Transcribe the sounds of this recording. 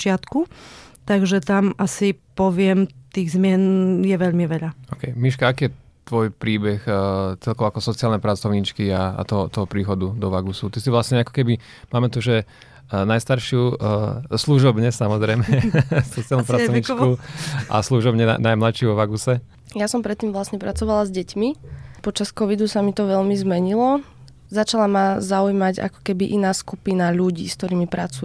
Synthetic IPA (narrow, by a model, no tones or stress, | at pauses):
t͡ʃɪat̪kut̪aɡʒɛt̪amʔasipɔʋɪɛmt̪iːɣzmɪɛnjɛʋɛʎmiʋɛʎaɔkɛjmiʃkaakiːjɛ | t̪ʋɔjpɾiːbɛxt͡sɛʎkɔʊakɔsɔt͡siaːlnɛpɾat͡sɔʊɲit͡ʃkiaa̰t̪ɔɦɔt̪ɔɦɔpɾiːxɔd̪ud̪ɔʋaɡusut̪isiʋlasɲɛakɔ̥kɛbi | maːmɛt̪ɔʒɛ | najst̪aɾʃɪu | sluʒɔbɲɛsamɔzɾɛjmɛsɔt͡sialnɔmpɾat͡sɔɲit͡ʃkua̰sluʒɔbɲɛa̰najmlat͡ʃʃɪuʋɔʋaɡusɛ | jasɔmpɾɛt̪ːiːmʋlasɲɛpɾat͡sɔʋalazɟɛcmipɔt͡ʃaskɔʋid̪usamit̪ɔʋɛʎmizmɛɲilɔ | zat͡ʃalamazaujmaɟa̰kɔ̥kɛbiʔinaːskupinaʎuɟḭːskt̪ɔɾiːmipɾat͡su